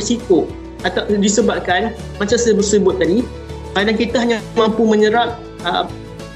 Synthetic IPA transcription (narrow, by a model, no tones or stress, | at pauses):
siko | at̪adisəbap̚kanmat͡ʃasəbərsəbʊt̪̚ːadi | kadaŋkit̪aɦaɲamampumə̃ɲəɾap̚ | ə̰